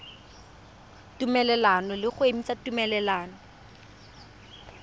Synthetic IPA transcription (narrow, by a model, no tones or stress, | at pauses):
tumɛlɛlanɔlɪχʊemisatumɛlɛlaːnɔ